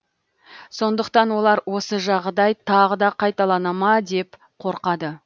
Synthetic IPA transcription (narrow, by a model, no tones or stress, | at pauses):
so̞nd̪əqt̪ɑnwo̞lˠɑɾwo̞səʒɑʁd̪ɑjt̪ʰɑʁəd̪ɑqʰɑjt̪ɑlˠɑnɑmɑd̪e̞p | qʰo̞ɾqɑd̪ə